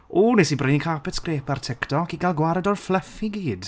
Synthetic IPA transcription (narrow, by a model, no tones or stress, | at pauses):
uːnesibrəjnikʰapɛtskreːpartʰɛktʰɔkiɡalˠɡwaɾɛdɔrflˠəfiɡiːd̥